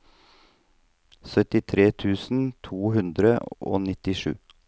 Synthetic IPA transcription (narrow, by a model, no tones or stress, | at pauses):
sœt̪ɪt̪ʰɾeːt̪ʰʉːsn̩t̪ʰuːhʉnd̪ɾəʔo̰ːnɪt̪ɪʃʉ̰ː